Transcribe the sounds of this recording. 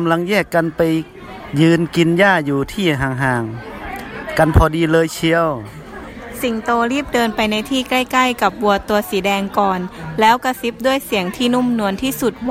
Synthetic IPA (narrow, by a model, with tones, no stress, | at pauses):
mla˧ŋjɛː˥˩kːa˧npa˧j | jɯː˧nki˧njaː˥˩juː˨˩t̪ʰiː˥˩ɦaː˧˩ŋɦaː˧ŋ | ka˧npʰɔː˧diː˧lɤː˧jt͡ɕʰi˧˥əw | si˨˩ŋt̪oː˧ɾiː˥˩p̚dɤː˧npa˧jna˧jt̪ʰiː˥˩kla˥˩jkla˥˩jka˨˩p̚bu˧˩ɐt̪u˧ɐsiː˨˦dɛː˧ŋkɔː˨˩nlɛː˦˥wka˧˩si˦˥p̚du˥˩əjsi˨˩˦əŋt̪ʰiː˥˩nu˥˩˨mnu˧ənt̪ʰiː˥˩su˨˩t̪̚w